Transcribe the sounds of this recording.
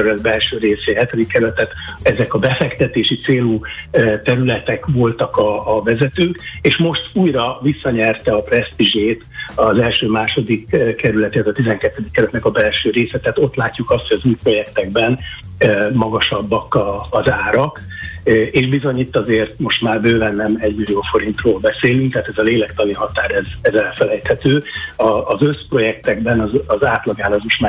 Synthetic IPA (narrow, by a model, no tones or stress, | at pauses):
ɾylɛd̪̚bɛlʃøːɾeːseːɦɛt̪ɛd̪ikːɛɾylɛt̪ɛt̪ɛzɛkɒbɛfɛkt̪ɛt̪eːʃit̪seːlut̪ɛɾylɛt̪ɛkvo̞lt̪ɒkɒːvɛzɛt̪øːkeːʃmo̞ʃt̪uːjrɒvisːɒɲɛrt̪ɛɒprɛst̪iʒeːt̪ɒzɛlʃøːmaːʃo̞d̪ikkːɛɾylɛt̪iɛt̪ɒt̪izɛŋkɛt̪ːɛd̪ikːɛɾylɛt̪nɛkɒbɛlʃøːɾeːsɛt̪aːt̪o̞t̪laːcːukɒst̪hoɒzuːjpro̞jɛkt̪ɛɡ̚bɛn | mɒɡɒʃɒbːɒkɒːzaːɾɒk | eːʒbizo̞ɲit̪ːɒzeːrt̪mo̞ʃt̪maːrbøːvɛnːɛmɛɟmilioːfo̞ɾint̪roːlbɛseːlyŋk̚t̪aɦːt̪ɛzɒleːlɛkt̪ɒniɦɒt̪aːɾɛzɛzɛlfɛlɛjt̪hɛt̪øːɒːzø̞spro̞jɛk̚t̪ɛɡbɛnɒzɒzaːt̪lɒɡaːnlɒzmoʃt̪maː